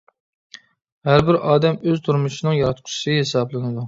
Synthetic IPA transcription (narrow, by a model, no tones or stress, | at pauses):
hæɾbɪɾʔɑːd̪ɛmøzt̪ʰuɾmuʃinɨŋjɑɾɑt̪̚qʰʊ̥ʃsɨɦesɑblˠɨnɨd̪u